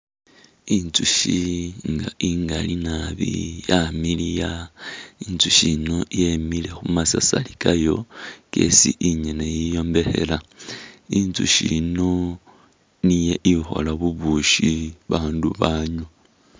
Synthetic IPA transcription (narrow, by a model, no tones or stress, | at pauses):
int͡suʃiŋɡaiŋɡalinaβḭjamilija | int͡suʃino̞jemile̞xumasasalikajo̞ke̞̰sḭʔiɲenejijo̞mbe̞xe̞̰la | int͡suʃino | nijeʔixo̞̰laβuβuʃiβaːnduβaːɲu